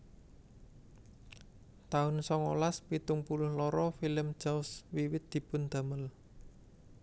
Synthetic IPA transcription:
t̪aʊnsɔŋo̰laspit̪ʊŋpulʊhlɔɾɔfiləmd̥ʒ̥aʊswiwɪt̪̚d̪̥i̤pʊnd̪̥a̤məl

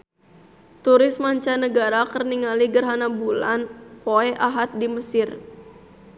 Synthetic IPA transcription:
t̪uɾɪsmaɲt͡ʃanəɡaɾakərniŋaliɡərɦanabula̰npoɛʔaɦat̪̚diməsɪr

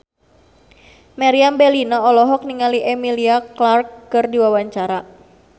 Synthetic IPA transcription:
maɾiambelinɔɔlɔɦɔk̚niŋaliʔemiliaklarkːərdiwawaɲt͡ʃaɾa

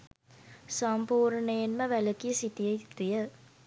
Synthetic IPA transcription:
sɔmpuːɾɳəjenməʋæləkijəsit̪ijət̪ːijə

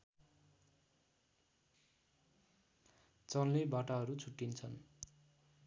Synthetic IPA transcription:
t͡sʌnlebaʈaɦʌɾut͡sʰuʈːint͡sʰʌn

